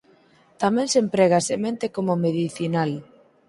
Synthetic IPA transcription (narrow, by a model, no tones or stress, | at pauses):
t̪amɛ̃nsempɾɛɣ̞asemẽnt̪ekomomeðiθinal